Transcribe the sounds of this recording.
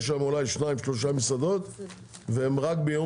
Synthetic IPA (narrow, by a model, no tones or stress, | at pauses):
ʃ̬amolajʃnaimʃlo̞ʃ̬amisad̪o̞t̪ | veemʁak̚bejo